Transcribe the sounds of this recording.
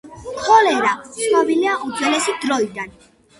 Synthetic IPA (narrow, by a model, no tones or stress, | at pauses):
kʰɔlɛɾat̪sʰnɔbiliaʔud̪zwɛlɛsid̪ɾɔid̪an